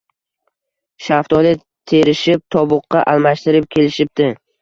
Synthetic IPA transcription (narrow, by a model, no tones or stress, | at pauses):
ʃaft̪ɒlɪ | t̪ʰe̞ɾɪʃɪp̚t̪ʰɒbʊqːɑʔalˠmaʃt̪ɪɾɪp̚kʲʰe̞lɪʃɪp̚d̪ɪ